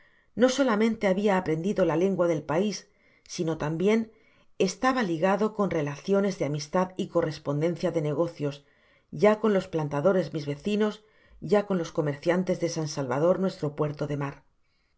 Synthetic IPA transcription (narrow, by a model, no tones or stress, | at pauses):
no̞so̞lamẽnt̪e̞aβiaːpɾe̞nd̪iðo̞lale̞ŋɡwaðe̞lpaisː | ino̞t̪ambje̞n | e̞st̪aβaliɣaðo̞ko̞nre̞laθjo̞ne̞zðeamist̪aðiko̞re̞spo̞nd̪ẽ̞n̟θjaðe̞ne̞ɣ̞o̞θjo̞s | ɟ͡ʝako̞nlo̞splant̪aðo̞ɾe̞zmizβe̞θino̞s | ɟ͡ʝako̞nlo̞sko̞me̞ɾθjant̪e̞zðe̞sansalβað̞o̞ɾnwe̞st̪ɾo̞pwe̞ɾt̪o̞ðe̞maɾ